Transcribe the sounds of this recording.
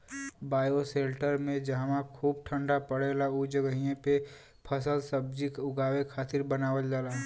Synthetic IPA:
baːjoseːlʈəɾmẽd͡ʒaɦmãkʰuːb̚ʈʰə̃ɳɖapəɽelaud͡ʒəɡəɦijẽpe | pʰəsəlsəb̚d͡ʒɪkʊɡaːwekʰaːt̪ɪɾbənaːʋəld͡ʒaːlaɦ

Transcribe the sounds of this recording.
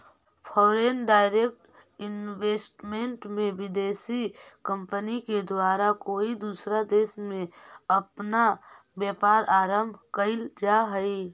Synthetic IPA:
pʰɔːɾeːnɖaːɪɾeːk̚ʈ | ɪnweːsʈmẽɳʈmẽʋɪd̪eːsikə̃mpəniked̪waːɾakoːid̪uːsɾad̪eːsmẽəpna | bjeːpaːɾaːɾəmbʱkəɪld͡ʒaɦəi

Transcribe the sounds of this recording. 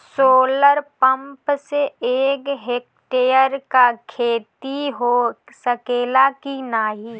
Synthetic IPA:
soːləɾpə̃mpseeːkɦeːk | ʈeːjəɾkakʰeːt̪iɦoː | səkeːlakinaːɦiː

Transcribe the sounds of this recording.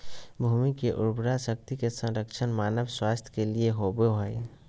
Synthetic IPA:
bʱumikeʔṵɾbɾasək̚t̪ikesə̃ɾəkt͡ʃʰənmanəbswast̪ʰə̥kelieɦobeɦəj

